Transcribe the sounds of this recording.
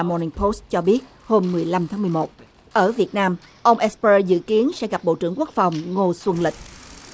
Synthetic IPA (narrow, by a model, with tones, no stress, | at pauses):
mɔ˧ni˧ŋpʰo˦˥st̚t͡ɕɔ˧ɓi˦˥ət̚ | ho˧mːɨ˨˩əjla˧mt̪ʰaː˨˦mɨ˨˩əmo˨˩t̚ | ʔəː˧˩vi˨˩ət̚naː˧m | ʔə˧wŋ͡mʔɛ˦˥spːzɨ̰˧˨ki˨˦ənsɛ̰˧˥ɣa˨˩p̚ɓo̰˧˨t͡ɕɨ˧˩əŋku˦˥ək̚fa˨˩wŋ͡mŋo˧swə˧nlï˨˩k̚